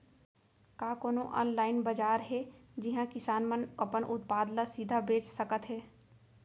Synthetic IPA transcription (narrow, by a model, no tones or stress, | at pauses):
kaːkoːnoʔɔ̰ːnlaːɪnbəd͡ʒaːɾɦɛd͡ʒɪɦãkɪsaːnmənɐpənʔʊt̪̚paːd̪lasid̪ʱabeːt͡ʃsəkət̪ɦɛː